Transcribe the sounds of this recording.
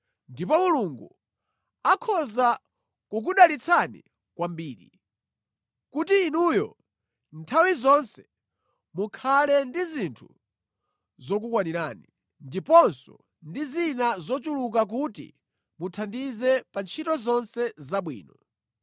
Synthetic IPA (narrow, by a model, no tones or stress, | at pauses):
ndipɔmuluŋɡu | akʰɔza | kuk̬uɗalit͡sʰanḭ | kwambiːɾi | kutiːnujɔ̰ | ntʰawizɔnsɛ̥ | mukʰalɛndizintʰu | zɔk̬ukwaniɾaːni | ndipɔnsɔ̰ | ndizinazɔt͡ʃuluk̬ak̬utḭ | mutʰandizɛpant͡ʃʰitɔzɔnsɛzaɓwḭːnɔ